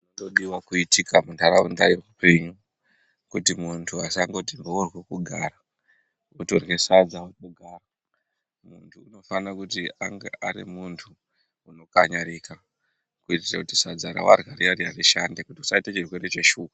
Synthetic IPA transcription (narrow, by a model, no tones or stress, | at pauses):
unonoɗiwakuitikʰamundʱaɾaundaje̞kupe̞ɲu | kutimuntʰuasaŋɡo̞timbourwekuɡʱaːra | utorwesad͡zautoɡʱaːra | muntʰuuno̞fanakutiaŋɡḛʔaɾḭmuntʰuː | no̞kaɲaɾika | kuitirakutisad͡zaɾa̰wa̰rwaɾiaɾiariʃandekutiusaitat͡ʃirwe̞ɾe̞t͡ʃe̞ʃuːka